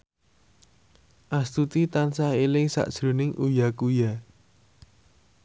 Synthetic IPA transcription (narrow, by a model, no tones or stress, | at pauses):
ʔast̪ut̪it̪ansahelɪŋsa̰ʔd̥ʒ̥ɾṳnɪŋʔujakuja